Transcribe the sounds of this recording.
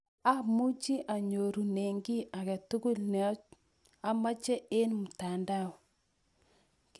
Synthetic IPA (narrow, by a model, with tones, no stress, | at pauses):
a˦mu˦t͡ʃi˦ʔa˨ɲo˨ɾu˨ne˨ŋɡi˦a˨kɛ˨tu˦ku˦lnɛ˨˦ | a˦ma˦t͡ʃɛ˦ʔe˦nmu˨ta˨nda˦˨w | k